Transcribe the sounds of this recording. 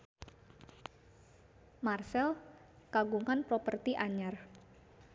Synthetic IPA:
marsɛl | kaɡuŋanpɾopərt̪iʔaɲar

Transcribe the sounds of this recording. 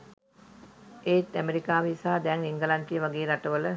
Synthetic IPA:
eːt̪ːæmeɾikaːʋisaːd̪ɛŋiŋɡəlanʈ̪ijəʋaɡeːɾaʈəʋələ

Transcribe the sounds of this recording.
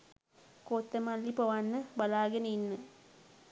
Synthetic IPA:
kot̪ːɐmalːipɐʋanːəbɐlaːɡɐninːə

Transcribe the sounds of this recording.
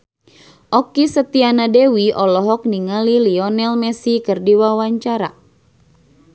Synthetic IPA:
ʔɔkisət̪ianadɛwiɔlɔɦɔk̚niŋaliliɔnɛlmɛsikərdiwawaɲt͡ʃaɾa̰

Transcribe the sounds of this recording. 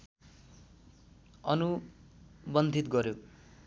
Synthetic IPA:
ʌnu | bʌnd̪ʱit̪ɡʌɾjo

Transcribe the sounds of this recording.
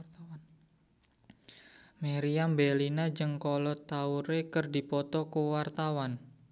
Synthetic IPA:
meɾiambelinad͡ʒɨŋkɔlɔt̪auɾekərdi̤pɔt̪ɔkuwart̪awan

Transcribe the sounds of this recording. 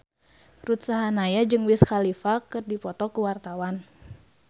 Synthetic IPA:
rut̪saɦanajad͡ʒɨŋwiskalifakɨrdipɔt̪ɔkuwart̪awan

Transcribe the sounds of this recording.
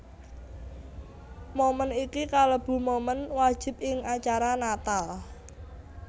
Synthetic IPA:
momənikikaləb̥ṳmomənwad̥ʒ̥ɪ̤p̚ɪŋat͡ʃaɾanat̪al

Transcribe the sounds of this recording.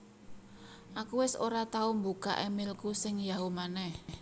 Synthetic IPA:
ʔakuwɪso̰ɾat̪aʊmbuka̰ʔemilkusɪŋjaɦumanɛh

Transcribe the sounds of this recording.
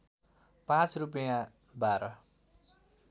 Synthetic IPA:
pãt͡srup̬jã | baɾʌ

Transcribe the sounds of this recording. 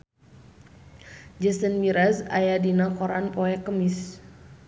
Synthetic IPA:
d͡ʒəsənmiɾazajadinakɔɾanpɔɛkəmis

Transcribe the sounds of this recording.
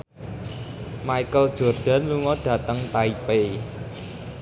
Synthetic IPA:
maikəld̥ʒ̥ɔ̤rɖ̥a̤nluŋɔɖ̥ä̤t̪əŋt̪aipe

